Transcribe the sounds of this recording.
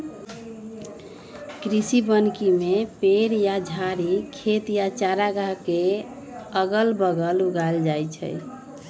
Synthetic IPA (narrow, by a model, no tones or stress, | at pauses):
kɾisibənkimepeɾjad͡ʒʱaɾikʰet̪jat͡ʃaɾaɡaɦke | əɡəlbəɡəluɡaeld͡ʒajt͡ʃʰə̰